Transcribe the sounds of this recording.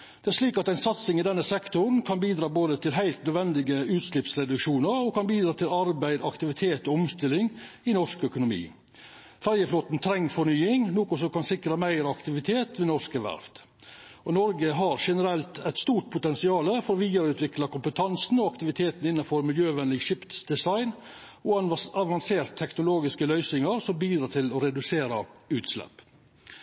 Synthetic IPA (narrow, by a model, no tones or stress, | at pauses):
d̪̥ɛæʂliːkɑt̪æɪnsɑt̪sɪŋɪd̪ɛnːəsɛkt̪ʊɾn̩kʰɑnbiːd̪ɾɑːboːd̪ət̪ʰɪlɦæɪlt̪̚nœd̪ʋɛnd̪ɪɡəʉːt̪slɪpsɾɛd̪ʉkʂuːnəɾɔkʰɑnbiːd̪ɾɑːt̪ʰɪlɑɾbæɪd̪ɑkt̪ɪʋɪt̪ʰeːt̪ɔɔmst̪ɪlːɪŋ | ɪnɔʂkœkʊnʊmḭː | fæɾjəfloːt̪n̩t̪ʰɾɛŋːfɔɳyːɪŋnoːkʊsɔkɑnsɪkɾəmæɪɾɑkt̪ɪʋɪt̪ʰeːt̪ʰʋɪnɔʂkəʋæ̰ɾft̪ | ɔnɔɾɡəɦɑɾʂɛnəɾɛlt̪ʰɛɪt̪st̪uːʈ̚pʰʊt̪ɛnsɪɑːləfɔɾɔʋiːd̪əɾʉːt̪ʰʋɪklɑkʊmpət̪ʰɑnsn̩ɔɑkt̪ɪʋɪt̪ʰeːt̪n̩ɪnːɑfɔɾmɪljøːʋɛnlɪɡʃɪpt̪sd̪ɛsɑɪn | ɔɑʋɑnseːɾt̪ʰːɛknʊloːɡɪskəlœʏsɪŋɑɾsɔmbiːd̪ɾɑːt̪ʰɪlɔɾɛd̪ʉseːɾɑʉːt̪slɛ̰pː